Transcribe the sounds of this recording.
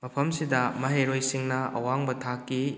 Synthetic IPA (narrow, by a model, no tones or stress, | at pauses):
mɐpʰɐmsidɐmɐɦeɾojsiŋnɐɐ̰waŋbɐtʰakːi